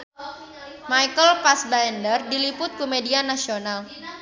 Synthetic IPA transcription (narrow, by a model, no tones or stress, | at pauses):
majkəlpasbaɛndərdilipʊt̪̚komedianasional